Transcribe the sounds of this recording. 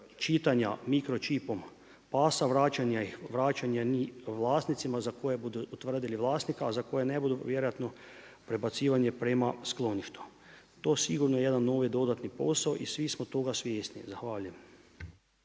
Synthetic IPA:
t͡ʃit̪aɲa̰mikɾot͡ʃipom | paːsaʋɾaːt͡ʃanaiʋɾaːt͡ʃaɲjaniʋlaːst̪nit̪simazakojebud̪uut̪ʋr̩d̪iliʋlˠaːst̪nikaːzakojenebud̪uʋjeɾojat̪no | pɾebat̪siːʋaɲjepɾemasklˠo̞niʃt̪u̥ | t̪oːsiɡuɾnojejed̪anːoːʋid̪o̞d̪at̪nipo̞̰saoʔisʋismot̪oɡasʋjeːst̪nḭzaxʋaːʎujem

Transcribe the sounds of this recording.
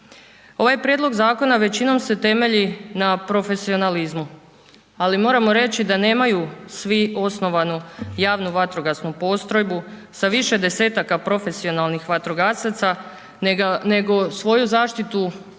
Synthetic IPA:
o̞ʋajpɾjed̪lˠo̞ɡzaːko̞naʋe̞t͡ɕino̞mse̞t̪e̞me̞ʎinapɾo̞fe̞sio̞nalizmu | alimo̞ːɾamo̞ɾe̞t͡ɕid̪ane̞ːmajusʋio̞sno̞ʋanujaːʋnuʋat̪ɾo̞ɡasnupo̞st̪ɾo̞jbu | saʋiʃe̞d̪e̞se̞ːt̪akapɾo̞fe̞sio̞nalˠnixʋat̪ɾoɡasat̪sa | ne̞ɡo̞sʋo̞juzaːʃt̪it̪u

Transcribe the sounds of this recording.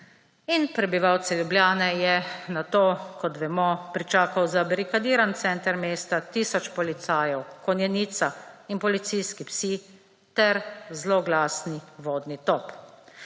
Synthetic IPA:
inpɾɛbiʋawt̪sɛljubljaːnɛjɛnat̪oːkɔt̪ʋɛmɔpɾit͡ʃaːkawzabɾikad̪iːɾant̪sɛnt̪əɾmeːst̪at̪iːsɔt͡ʃpɔlit̪saːjɛwkɔnjɛniːt̪sainpɔlit̪sijskipsi | t̪ɛɾzlɔɡlaːsniʋoːd̪nit̪ɔp

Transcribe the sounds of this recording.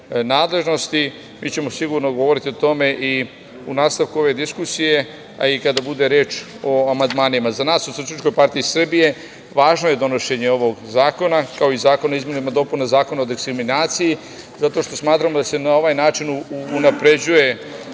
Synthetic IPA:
naːd̪le̞ʒno̞st̪i | miːt͡ɕe̞mo̞siɡuɾno̞ɡo̞ʋo̞ɾit̪iot̪o̞me̞ʔi | unaːst̪aʋkuo̞ʋe̞d̪iskusije̞ | a̰ikad̪abud̪e̞ɾe̞ːt͡ʃ | o̞amand̪maːnimazanaːsusut͡ʃit͡ʃko̞jpaɾt̪iisr̩bije̞ | ʋaːʒno̞je̞d̪o̞no̞ʃe̞ɲe̞o̞ʋo̞ɡzaːko̞nakao̞izaːko̞noizme̞nimad̪o̞punazaːko̞nao̞d̪ikskɾiminaːt̪siji | zat̪o̞ʃt̪o̞smaːt̪ɾamod̪ase̞nao̞ʋajnaːt͡ʃinːnapɾe̞d͡ʑuje̞

